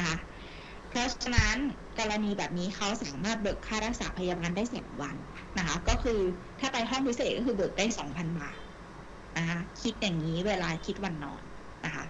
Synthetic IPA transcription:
n˦kʰa˦˥ʔ | pʰɾɔ˦˥t͡ɕʰa˧na˦˥n | kɔː˧ɾa˧niː˧bɛː˨˩p̚niː˦˥kʰa˦˥wsaː˩˦maː˥˩t̪̚bɤ˨˩kʰːaː˥˩ɾa˦˥k̚saː˩˦pʰa˧ja˧baː˧ndaː˥˩jsa̰ː˩˦mwa˧nː | a˦˥kʰa˦˥kɔː˥˩kʰɯː˧ | t̪ʰaː˥˩pa˧jɦɔ˥˩ŋpʰi˦˥seː˨˩t̪̚kɔː˥˩kɯː˧bɤː˨˩k̚daː˥˩jsɔː˩˦ŋpʰa˧nbaː˨˩t̪̚ | na˦˥kʰa˦˥kʰi˦˥t̪̚jaː˨˩ŋniː˦˥weː˧laː˧kʰi˦˥t̪̚wa˧nːɔ̰ː˨˩nː | a˦˥kʰa̰˦˥ʔ

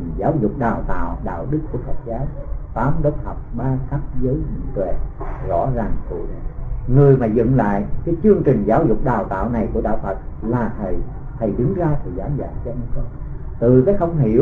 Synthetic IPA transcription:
ŋzaː˨˦wzʊ˨˩k͡p̚ɗaː˨˩wt̪a̰ː˧˨wɗa̰ː˧˨wɗɨ˦˥kku˧˩əfa˨˩t̚zaː˨˦wt̪aː˨˦mɗəː˦˥t̚hə˨˩wk͡p̚ɓaː˧xaː˦˥k̚zəː˨˦jmi˧˨˩t̪wḛ˧˩˨ | zɔ̰˧˥zaː˨˩ŋt̪ṵ˧˩˦ŋɨ˨˩əjmaː˨˩zɨ̰˧˨ŋla̰ː˧˨jkaː˨˦jt͡ɕɨ˧əŋt͡ɕï˨˩ŋ̟zaː˨˦wzʊ˨˩k͡p̚ɗaː˨˩wt̪a̰ː˧˨wna˨˩jku˧˩əɗa̰ː˧˨wfə˨˩t̚laː˨˩t̪ʰə˨˩j | t̪ʰə˨˩jɗɨ˨˦ŋzaː˧sɨ˧˩zaː˨˦za̰ː˧˩nt͡ɕɔ˧mɨ˨˦zə˦˥ | t̪ɨ˨˩kaː˨˦jhə˧wŋ͡mɦḭ˧˩əw

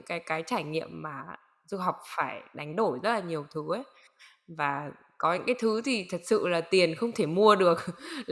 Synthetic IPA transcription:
ŋkaː˨˦jkaː˨˦jt͡ɕaː˧˩jŋḭ˧˨əmːaː˨˩ | zu˧ɦa˨˩wk͡p̚faː˧˩jɗa˨˦ŋ̟ɗo˧˩jzə˦˥t̚laː˨˩ɲi˨˩əwt̪ʰɨ˨˦ʔə˨˦j | vaː˨˩ | kɔ˨˦ɲɨ̰˧ŋkaː˨˦jt̪ʰɨ˨˦t̪ʰi˨˩t̪ʰə˨˩t̚sɨ̰˧˨laː˨˩t̪i˨˩ənxə˧wŋ͡mt̪ʰe˧˩mu˧əɗɨ˨˩ək̚

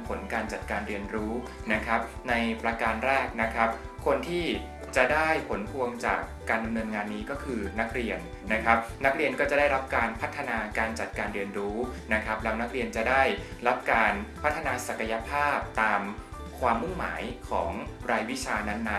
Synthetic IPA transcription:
pʰo˩˦nkaː˧nt͡ɕa˨˩t̪̚kaː˧nɾi˧ənɾuː˦˥ | na˦˥kʰɾa˦˥p̚ | na˧jpɾa˧kaː˧nɾɛː˥˩k̚na˦˥kʰɾa˦˥p̚ | kʰo˧nt̪ʰiː˥˩ | t͡ɕa˨˩daː˥˩jpʰo˩˦npʰu˧əŋt͡ɕa̰ː˨˩kːaː˧nda˧mnɤː˧nŋaː˧nːiː˦˥kɔː˥˩kʰɯː˧na˦˥k̚ɾi˧ənːa˦˥kʰɾa˦˥p̚na˦˥k̚ɾi˧ənkɔː˥˩t͡ɕa˨˩da˥˩jɾa˦˥p̚kaː˧npʰa˦˥t̪ʰːa˧naː˧kaː˧nt͡ɕa˨˩t̪̚kaː˧nɾi˧ənɾuː˦˥na˦˥kʰɾa˦˥p̚lɛ˦˥wna˦˥k̚ɾi˧ənt͡ɕa˨˩daː˥˩jɾa˦˥p̚kaː˧npʰa˦˥t̪ʰːa˧naː˧sa˨˩ka˧ja˧pʰaː˥˩p̚t̪aː˧m | kʰwaː˧mːu˥˩ŋma̰ː˩˦jkʰɔ̰ː˩˦ŋɾaː˧jwi˦˥t͡ɕʰaː˧na˦˥nːa˦˥

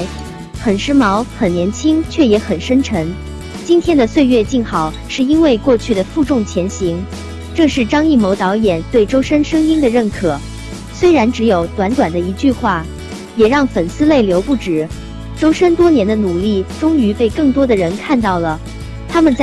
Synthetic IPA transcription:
xə˨˩nʂɻ̩˥mɑ˧˥ʊxə˨˩njɛ˧˥nt͡ɕʰi˥ŋt͡ɕʰɥɛ˥˩jɛ˧˥xə˨˩nʂə˥nʈ͡ʂʰɤ˧˥ŋ | t͡ɕi˥nt̪ʰjɛ˥nd̪ə˨swe˥˧ɪɥɛ˥˧t͡ɕi˥˩nxɑ˨˩˦ʊʂɻ̩˥˩i˥nwe˥˧ɪkwɔ˥˧t͡ɕʰy˥˩d̪ə˩fu˥˧ʈ͡ʂʊ˥˩ŋt͡ɕʰjɛ˧˥nɕi˧˥ŋ | ʈ͡ʂɤ˥˧ʂɻ̩˥˩ʈ͡ʂɑ˥ŋi˥˩mo˧˥ʊt̪ɑ˧˥ʊjɛ˨˩nt̪we˥˩ɪʈ͡ʂo˥ʊʂə˥nʂɤ˥ŋi˥ŋd̪ə˨ɻə˥˩nkʰɤ˨˩ | swe˥ɪɻa˧˥nʈ͡ʂɻ̩˧˥jo˨˩ʊt̪wa˧˥nt̪wa˨˩nd̪ə˦i˧˥t͡ɕy˥˧xwa˥˩ | jɛ˨˩ɻɑ˥˩ŋfə˨˩nsɹ̩˥˧le˥˩ɪljo˧˥ʊpu˥˩ʈ͡ʂɻ̩˨˩˦ | ʈ͡ʂo˥ʊʂə˥nt̪wɔ˥njɛ˧˥nd̪ə˧nu˨˩li˥˩ʈ͡ʂʊ˥ŋy˧˥pe˥˧ɪkɤ˥˩ŋt̪wɔ˥d̪ə˨ɻə˧˥nkʰa˥˧nt̪ɑ˥˩ʊlə˩ | t̪ʰa˥mə˨nt͡s

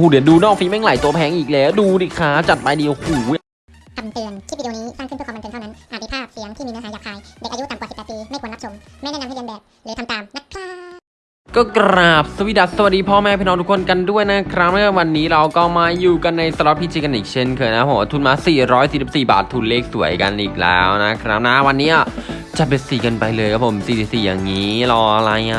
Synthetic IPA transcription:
uː˨˩di˩˦duː˧nɔː˥˩k̚fiː˧˥ma˥˩ŋla˨˩˦jt̪u˧ɐpʰɛː˧˥ŋʔiː˨˩k̚leː˧˦duː˧liː˨˩kʰaː˦˥t͡ɕa˨˩t̪̚pa˧jdi˧ə˧whuː˨˩˦ | a˨˧˩mt̪ɯ˧əntʰiː˥˩˨niː˦˥saː˥˩ŋkʰt̪ʰːm˧ne˧nʰa˥˧na˦˥nʔaː˨˩t̪̚ːpʰaː˥˩˨fi˨˦˥əŋt̪ʰiː˥miː˧naː˧˥ɦaː˨˦jaː˨˩k̚ʰaː˧jdːkʔju˦˥t̪a˨mkwsi˨˩pːɛː˨t̪piː˧ma˥˩kːnːa˦˥t͡ɕʰo˧m | ma˥˩naː˥˩na˧hʰmbɛː˨˩p̚ | dɛ˨˦t̪ʰt̪aː˨˩mna˦˥t̚kʰaː˥˩ | kɔː˥˩kɾaː˨˩p̚sa˧wi˦˩da˨˩sa˧wa˨˩diː˧pʰɔː˥˩mɛː˥˩pʰːnɔː˧t̪ʰu˥kʰo˧nka˧ndu˥˩əjna˦˥kʰɾa˦˥p̚na˥a˥˩wa˧nːiː˦˥ɾa˧wkɔː˥˩maː˧juː˨˩ka˧nːa˧jsa˧lɔ˦˥pʰiː˧˥t͡ɕʰiː˧ka˧nʔiː˨˩k̚t͡ɕʰe˥˩nkʰɤː˧jna˦a˦˥pʰo˩˦wa˧t̪ʰu˦˥n̚maː˧siː˨˩ɾɔː˦˥jsiː˨˩si˨˩p̚siː˨˩ba̰ː˨˩t̪ʰːuː˨˩nleː˥˩k̚su˩˦əjka˧nʔiː˨˩k̚lɛ̰ː˦˥wna˦˥kʰɾa˦˥p̚na˦˥wa˧nːiː˦˥ʔa˨˩ | t͡ɕa˨˩be˨˧˩siː˨˩kɤː˧npa˧jlɤː˧kʰa˦˥pʰo˩˦msiː˨˩si˨˧˩siː˨˩ja̰ː˨˩ŋːiː˦˥lɔː˧ʔla˧˥ja˧

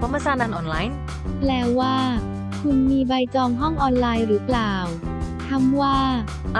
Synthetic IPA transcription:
pʰɔ˧˦ma˧saː˧˩naː˧nʔɔː˧˩nlaː˧˥j | plɛː˧˩waː˧˥˩ | kʰu˧nmiː˧ba˧jt͡ɕɔː˧ŋɦɔ˥˩ŋʔɔː˧nlaː˧jɾɯː˩˦plaː˨˩w | t̪ʰa˧˥mwaː˥˩

